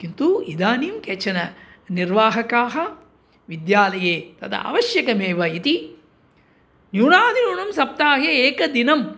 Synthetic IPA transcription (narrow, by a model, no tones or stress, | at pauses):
kint̪uid̪aːniːmket͡ʃɐnɐ | niɾʋaːɦɐkaːɦɐ | ʋid̪jaːlɐjeːt̪ɐt̪ʰɐ̰ʔɐ̰ʋɐʃjɐkɐmeːʋɐit̪i | njuːɳaːd̪ʱinjuːɳɐmsɐp̚t̪aːɦeeːkɐd̪inɐm